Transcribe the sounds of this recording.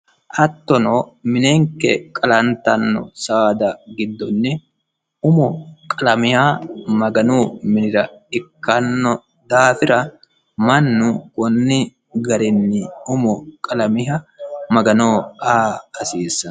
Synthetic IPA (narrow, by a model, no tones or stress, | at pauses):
ʔɐt̪ːɔnoːmɪneːŋkɛkʼɐlɐnt̪ɐnːɔ̰saːd̪ɐɡɪd̪ːɔnːɪ | ʊmɔkʼɐlɐmɪhaːmɐɡɐnuːmɪnɪɾɐɪkːɐnːɔ | d̪aːfɪɾɐ | mɐnːʊkʊnːɪ | ɡɐɾɪnːɪʊmɔkʼɐlɐmɪɦɐmɐɡɐnoːaːsiːsːɐ